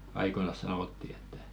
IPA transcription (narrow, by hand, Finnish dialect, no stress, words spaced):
ɑikonɑs sɑnoˑtːi etːæ̥